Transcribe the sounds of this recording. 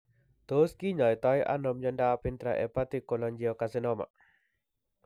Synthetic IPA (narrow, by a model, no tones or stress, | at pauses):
t̪oskiɲajt̪ɔjʔa̰nɔmɲɔndapint̪ɾaʔɛ̰pat̪ikːɔlɔɲd͡ʒiɔkasɛnɔma̰